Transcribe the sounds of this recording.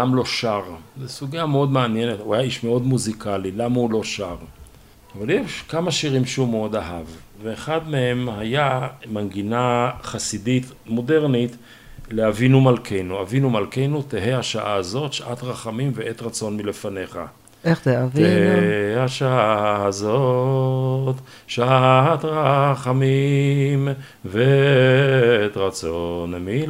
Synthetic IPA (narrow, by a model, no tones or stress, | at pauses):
lamlo̞ʃaʁzesuɡiameo̞d̪meanje̞net̪huhajaiʃmeo̞d̪muzikʰalilamaulo̞ʃaʁ | avaljeʃkamaʃiʁimʃeumeo̞d̪aɦav | veːχad̪mehe̞mhajamanɡinaχasidit̪ | mo̞de̞ʁnit̪ | leavinumalkʰe̞jnuavinumalke̞jnut̪eɦehaʃaʔaazo̞tʃaʔat̪ʁaχamimveʔet̪ʁat͡so̞nmilefane̞χa̰ | eχt̪eaveheaʃaaazo | t̪ | ʃaat̪ʁaχamim | ve | et̪ʁat͡sonmi